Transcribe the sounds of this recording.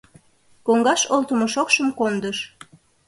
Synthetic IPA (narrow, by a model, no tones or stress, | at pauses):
koŋɡɑʃolt̪əmoʃokʃəmkond̪əʃ